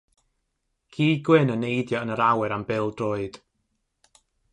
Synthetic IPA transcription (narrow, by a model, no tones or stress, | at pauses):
kʰiːɡwɪnənejdjɔənəɾawɛɾambɪlˠdroːɨd̥